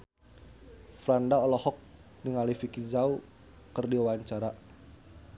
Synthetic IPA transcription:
fɾandaɔlɔhɔk̚ | niŋalifikid͡ʒau | kɨrdiwaɲt͡ʃaɾa

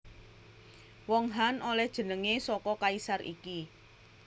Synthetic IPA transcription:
wɔŋɦanʔolɛhd̥ʒ̥ə̤nəŋesɔkɔkaisarʔḭki

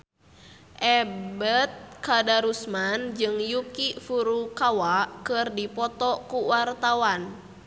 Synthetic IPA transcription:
ʔɛbət̪̚kadaɾusmand͡ʒɨŋjukifuɾukawakɨrdipɔt̪ɔkuwart̪awan

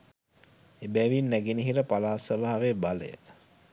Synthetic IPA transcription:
ebæʋinːæɡeniɦiɾəpalaːsəʋaɦaʋebalə̰jə̰

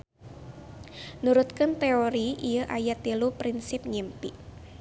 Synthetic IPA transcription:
nuɾʊt̪̚kənt̪eoɾiʔijəʔajat̪ilupɾinsɪp̚ɲimpiʔ

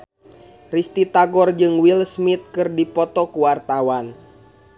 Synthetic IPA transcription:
rist̪it̪aɡɔrd͡ʒɨŋwilsmit̪̚kɨrdipɔt̪ɔkuwart̪awan

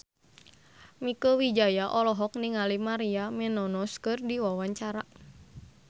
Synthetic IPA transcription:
mikəwid͡ʒajaʔɔlɔɦɔk̚niŋalimaɾiamɛnɔnɔskɨrdiwawaɲt͡ʃaɾa

